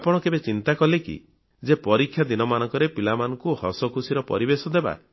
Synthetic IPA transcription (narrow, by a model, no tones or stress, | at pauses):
apɔɽ̃ɔkebet͡ʃint̪akɔlekḭ | d͡ʒepɔɾikʰːjad̪inɔmanɔ̃ŋkɔɾepilamanɔŋkuhɔsɔkusiɾɔpɔ̰ɾibesɔd̪eba̰